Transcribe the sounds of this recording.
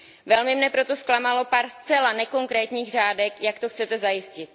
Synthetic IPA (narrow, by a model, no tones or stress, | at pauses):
vɛlmɪmɲɛpɾo̞t̪o̞sklamalo̞paːɾst͡sɛlanɛko̞ŋkɾɛːt̪ɲiːɣr̝aːdɛkjakt̪o̞xt͡sɛt̪ɛzajɪscɪt̪̚